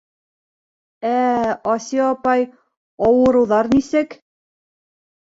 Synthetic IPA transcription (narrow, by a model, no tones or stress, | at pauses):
æɑsiɑpɑj | ɑwɤ̆ɾɤ̆wðɑɾnisɘk